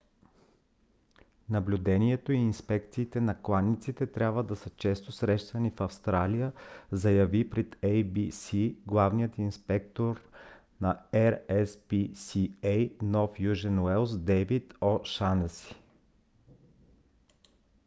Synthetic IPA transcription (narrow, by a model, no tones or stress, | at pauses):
nɐblʲud̪ɛniɛt̪oiːnspɛkt̪siːt̪ɛnɐklˠanːit̪sit̪ɛt̪ɾʲjabvəd̪ɐsət͡ʃɛst̪osɾɛʃt̪ənifɐfst̪ɾalijəzɐjɐvipɾɛt̪ejbisiɡlˠavnijət̪inspɛk̚t̪oɾ | nɐɛɾɛspisiejnɔfjuʒɛnwɛlˠsd̪ɛvit̪ɔʃanəsi̥